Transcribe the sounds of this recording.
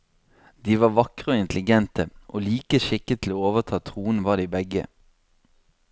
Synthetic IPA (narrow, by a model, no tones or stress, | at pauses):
d̪iːʋɑːʋɑkʁəoɪnt̪lɪɡɛnt̪ʰəʔoːliːkəʃɪkət̪ʰl̩oːoːʋəʁt̪ʰɑːt̪ʰʁuːən̩ʋɑːd̪iːbɛɡə̰